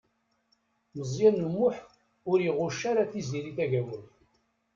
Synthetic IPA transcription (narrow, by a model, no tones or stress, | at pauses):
məzjænumːʊħ | ʊɾjiʁʊʃaɾaθiziɾiθæʝæwəlθ